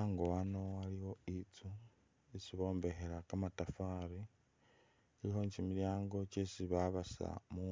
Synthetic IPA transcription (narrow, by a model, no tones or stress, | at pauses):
aŋɡoano̞aliwo̞it͡su | esiβo̞ːmbe̞xeɾakamatafaːɾi | iliho̞ɲcimiljaːŋɡo̞cesiβaβasa̰mu